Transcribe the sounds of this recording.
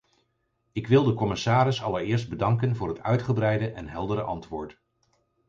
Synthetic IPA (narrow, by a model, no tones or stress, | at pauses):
ɪkʋɪlˠdəkɔmɪsaːɾɪsɑləɹɪːɹs̬d̚bədɑŋkənvʊːɹɦətœɥtχəbrɛjdəʔɛnɦɛlˠdəɾəʔɑ̰ntʋʊːɹt